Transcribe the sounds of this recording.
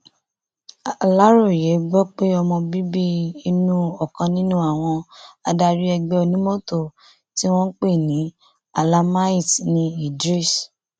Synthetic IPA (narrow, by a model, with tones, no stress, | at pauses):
la˦ɾo˦˨je˨˦ɡ͡bɔ˦k͡pe˦ɔ˧mɔ̃˧bi˦bi˦i˦˧nũ˦ɔ˨kã˧nĩ˦nũ˦a˦˨w̃ɔ̃˧a˧da˧ɾi˦ɛ˧ɡ͡bɛ˧o˧nĩ˦mo˦to˦˨ | ti˦w̃ɔ̃˦k͡pe˦˨nĩ˨˦ | a˨la˧ma˦i˦˨tnĩ˧i˨dɾi˦˨s